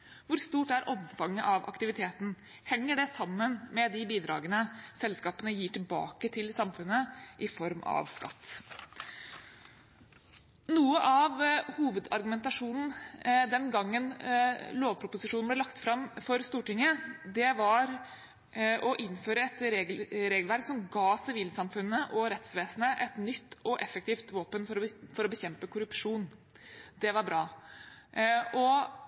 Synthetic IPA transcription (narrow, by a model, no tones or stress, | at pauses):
ʋʊɾst̪uːʈæɾʔɔmfɑŋːəʔɑʋʔɑ̰kt̪ɪʋɪt̪ʰeːt̪n̩ | hɛŋːəɖɛsɑmːənmɛd̪ɪbiːd̪ɾɑ̰ːɡənəsɛlskɑːpənəjiːʈɪlbɑ̰ːkət̪ʰɪlsɑmfʉnːəʔɪfɔɾmɑ̰ʋskɑ̰t̪ː | nuːəʔɑʋhuːʋəd̪ɑɾɡʉmɛnt̪ɑʂuːnn̩d̪ɛnɡɑŋːənloːʋpʰɾʊpʊsɪʂuːn̩b̪lɛlɑkt̪fɾɑmfɔɾst̪uːʈɪŋːəd̪ɛʋɑɾ | ʔɔʔɪnːføːɾəɛt̪ɾeːɡɾeːɡlʋæɾksɔmɡɑːsɪʋiːlsɑmfʉnːəʔɔɾɛt̪sʋeːsnəʔɛt̪nʏt̪ːɔʔɛfɛkt̪iːft̪ʋoːpənfɔɾfɔɾɔbəçɛmpəkʰʊɾʉpʂuːn | d̪ɛʋɑɾbɾɑː | ɔ